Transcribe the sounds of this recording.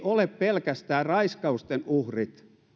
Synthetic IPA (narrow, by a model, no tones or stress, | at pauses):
ʔoleppelkæst̪æːrɑiskɑust̪enuhrit̪